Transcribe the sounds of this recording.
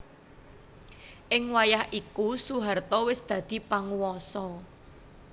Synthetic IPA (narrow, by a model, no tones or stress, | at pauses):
ʔɪŋwajahʔikusuɦart̪ɔwɪsd̪̥ä̤d̪̥i̤paŋuwɔsɔ